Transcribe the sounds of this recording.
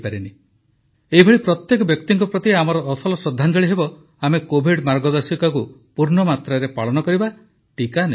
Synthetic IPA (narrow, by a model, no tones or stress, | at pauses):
paɾini | eɦibʱeɭipɾɔt̪jekɔbjɔkt̪iŋkɔpɾɔt̪iamɔɾɔːsɔlɔsɔd̪ʱːand͡ʒɔɭiɦebɔ | amekobʱiɖmaɾɡɔd̪ɔɾsikakupuɾnɔmat̪ɾaɾepaɭɔnɔkɔɾiba | ʈikane